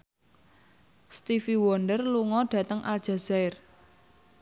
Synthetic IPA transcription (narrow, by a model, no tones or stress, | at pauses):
st̪ifiwɔndərluŋɔɖ̥a̤t̪əŋʔa̰ld̥ʒ̥a̤z̥aɪr